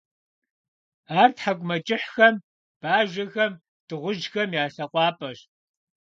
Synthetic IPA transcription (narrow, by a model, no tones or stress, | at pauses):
aːrtħaɡʷʊmɐt͡ʃʼɪħxɐm | b̥aːʒɐxɐm | d̥ɨʁʷʊʒxɐmjaːɬɐqʷʼɑːpʼɐɕ